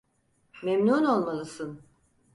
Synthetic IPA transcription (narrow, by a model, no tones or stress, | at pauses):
memnuːno̞lˠmalˠɯsɯn